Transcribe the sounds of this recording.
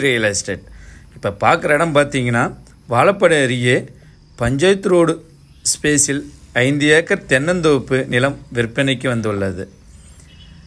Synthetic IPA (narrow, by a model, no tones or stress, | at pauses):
ɾɪjɐlɐɪsʈeːʈ̚ɪpːɐpaːɾkɯɾɐɪɽɐmpaːɾt̪iːŋɡɐnːaː | ʋaːɭɐpːɐɽɐːɾɪjeː | pɐɲd͡ʒɐjt̪ːɯɾoːɽɯ | speːsɪlɐɪnd̪ɪjaːkɐɾt̪ɛnːɐnd̪oːpːɯnɪlɐmʋɪɾpːɐnɐɪkːɯʋɐnd̪ɯɭːɐðɯ̰